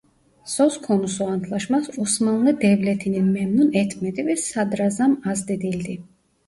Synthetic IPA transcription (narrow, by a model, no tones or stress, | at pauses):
sɔskʰɔnusɔant̪ʰlaʃmasusmaunɛd̪ɛblɛt̪ʰininmɛmnunɛt̪ʰmɛt̪ʼivɛsad̪ɾazamazd̪ɛd̪ild̪i